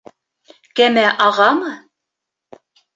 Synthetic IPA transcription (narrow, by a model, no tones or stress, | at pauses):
kæmæʔɑʁɑmɤ